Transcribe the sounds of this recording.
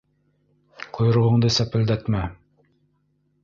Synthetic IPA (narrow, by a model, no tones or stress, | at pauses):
qʰojɾʁɤ̆ɴd̪ɤsæpɘ̆ld̪æt̪mæ